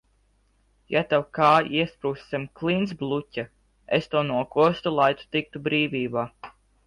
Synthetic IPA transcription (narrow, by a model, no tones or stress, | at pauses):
jat̪awkaːiɛspɾuːsːʲɛmklˠins̬blˠutʲa | est̪unuɔkuɔst̪ulˠajt̪u̥t̪ik̚t̪ubɾiːvʲiːbaː